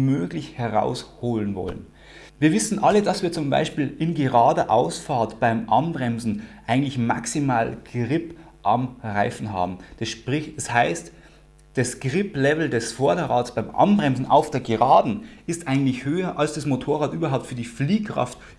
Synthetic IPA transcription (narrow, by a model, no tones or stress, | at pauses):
møːɡlɪçhɛʁa̰ʊshoːlənvɔ̰lə̰n | viːɐvɪsn̩ʔalədasviːɐt͡sʊmba̰ɪʃpiːlɪnɡəʁaːdəʔaʊsfaɐtb̥aɪmʔanbʁɛmzn̩ʔaɪɡŋ̩tlɪçma̰ksimaːlɡ̥ʁɪp | ʔamʁaɪfn̩ɦa̰ːbm̩d̥sʃpʁɪçɛshaɪst | d̥asɡ̥ʁɪplɛvl̩dɛsfɔɐdəʁa̰ːtsb̥aɪmʔa̰nbʁɛmzn̩ʔa̰ʊfd̥eːɐɡəʁaːdn̩ɪstʔaɪɡŋ̩tlɪçhøːɐʔalsd̥asmotʰoːɐʁaːtʔyːbɐɦaʊp̚tfyːɐdiːfliːkʁ̥a̰ft